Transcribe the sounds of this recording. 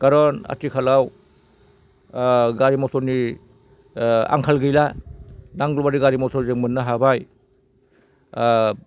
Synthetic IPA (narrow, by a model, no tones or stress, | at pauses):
ɡ̥aɾɔna̰tikʰalaw | ɡaɾimɔsɔni | a̰ŋkʰalɡɯjlanaŋɡlɔbaɾiɡaɾimɔsɔzeŋmɯnːaɦabaj